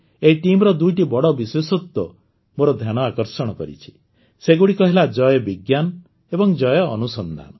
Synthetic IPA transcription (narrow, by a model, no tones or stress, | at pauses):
eiʈimɔɾɔd̪ujʈibɔɽɔbiswesut̪ːɔ | moɾɔd̪ʱjaɽ̃ɔakɔɾsɔɽ̃ɔkɔɾḭt͡ʃʰi̥ | seɡuɽikɔɦelad͡ʒɔjɔbiɡjanɔ | ebɔŋd͡ʒɔjɔ̰ːnusɔnd̪ʱa̰nɔ